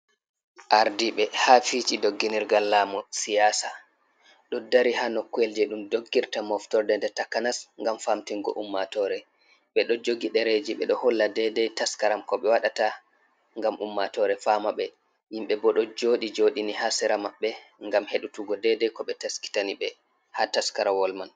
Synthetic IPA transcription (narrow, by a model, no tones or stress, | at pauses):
ʔaɾdiɓɛhafit͡ʃidoɡːiniɾɡalːaːmɔsijaːsa | ɗɔdaɾihanokːueld͡ʒɛɗumdoɡːiɾtamɔftɔɾdɛndɛtakːanasŋɡamfamtiŋɡɔ̰ʔumːatɔɾɛ | ɓɛɗɔd͡ʒoɡiɗɛɾed͡ʒiɓɛɗɔhɔlːadɛdɛjtaskaɾamkɔɓɛwaɗata | ŋɡamʔumːatɔɾɛfamaɓɛ | jimɓɛbɔɗɔd͡ʒoːɗid͡ʒoɗinihasɛɾamaɓːɛŋɡamheɗutuɡɔdɛdɛkɔɓɛtaski̥taniɓɛ | hataskaɾawɔlman